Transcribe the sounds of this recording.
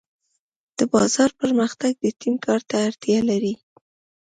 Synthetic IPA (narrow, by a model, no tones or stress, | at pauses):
d̪̥əbɑzɑɾpəɾməxt̪aɡ̚d̪ət̪imkʰɑɾt̪aːɾt̪jalaɾi